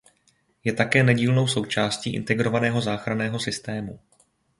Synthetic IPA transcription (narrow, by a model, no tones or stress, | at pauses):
jɛt̪akɛːnɛɟiːlno̞wso̞wt͡ʃaːsciːʔɪ̰nt̪ɛɡɾo̞vanɛːɦo̞zaːxɾanɛːɦo̞sɪst̪ɛːmu